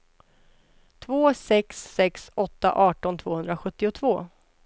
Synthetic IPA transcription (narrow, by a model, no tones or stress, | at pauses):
t̪ʰvoːsɛksːɛksɔt̪ːa̰ʔɑːʈɔnt̪ʰv̥oːhɵnd̪ɾaɧɵt̪ːɪʊt̪ʰvoː